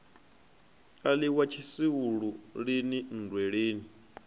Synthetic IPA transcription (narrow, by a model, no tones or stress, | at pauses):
aliwat͡ʃʰisiwuɺuɺinin̩dʱwɛɺeːni